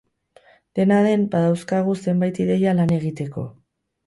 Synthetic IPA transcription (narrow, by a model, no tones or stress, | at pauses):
d̪̥e̞naðe̞mbaðawskaɣ̞use̞mbajt̪iðe̞jalane̞ɣit̪e̞ko̞̰